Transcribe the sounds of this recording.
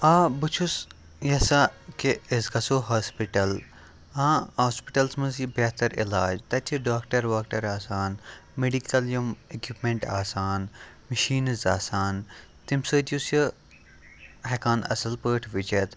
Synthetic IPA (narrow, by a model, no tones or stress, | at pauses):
aːbɨt͡ʃʰus | jɐsakeːzɡɐsoːɦaːspiʈɐl | ãːhaːspiʈɐlsmɐzibɐt̪ɐɾilaːd͡ʒt̪ɐt͡ʃʰiɖaːkʈɐɾʋaːkʈɐɾaːsaːnmeɖikɐljɐmekipmẽɳʈaːsaːn | mɐʃiːnɐza̰ːsaːn | t̪imsəːt̪jusjɐ | hekaːnɐ̰sɐlpəːʈʰʋit͡ʃɐt̪